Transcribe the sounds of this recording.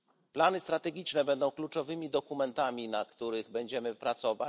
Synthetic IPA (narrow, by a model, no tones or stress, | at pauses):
planɘst̪ɾat̪ɛɡʲit͡ʂnɛbɛnd̪ɔ̃w̃klut͡ʂɔvɘmʲid̪ɔkumɛnt̪amʲinakt̪uɾɘɣbɛɲd͡ʑɛmɘpɾat̪sɔva